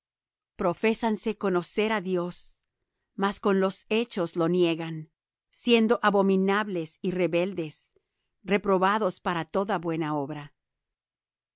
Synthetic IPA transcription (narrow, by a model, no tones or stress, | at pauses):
pɾo̞fe̞sanse̞ko̞no̞se̞ɾaðjo̞s | masko̞nlo̞se̞t͡ʃo̞zlo̞njeɣan | sje̞nd̪o̞ʔaβo̞minaβle̞sire̞βe̞ld̪e̞s | re̞pɾo̞βaðo̞spaɾat̪o̞ðaβwe̞naoβɾa